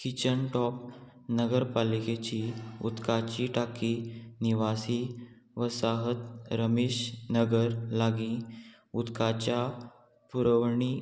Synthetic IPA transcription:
kit͡ɕəɳʈɔp | nəɡəɾpaliket͡ɕiṵt̪kat͡ɕiʈakiːniʋasi | ʋəsaɦət̪ɾəmeːɕnəɡəɾlaɡĩ | ut̪kat͡ɕja | puɾəʋɳiː

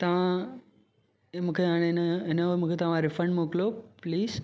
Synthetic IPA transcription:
t̪ɐʋ̤ã | mũːkʰeaːɽ̃enɪnəomũːkʰet̪ɐʋ̤ãɾɪfɾə̃ɳɖmuːklopliːz

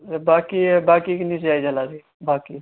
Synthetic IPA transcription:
baːkibaːkikniseaːid͡ʒəlaːsiː | baːkiː

